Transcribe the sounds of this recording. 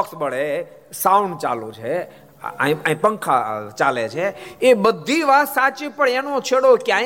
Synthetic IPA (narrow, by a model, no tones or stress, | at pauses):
əksbəɽe | sauɳɖ̚t͡ʃa̰lṵ̃t͡ʃʰḛ | ĩãĩpəŋkʰa̰t͡ʃalet͡ʃʰeebəd̪ʱːiʋasat͡ʃipəɳenõt͡ʃʰeɽokeã